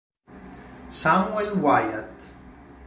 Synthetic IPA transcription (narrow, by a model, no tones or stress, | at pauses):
samuɛlwajə̰t̪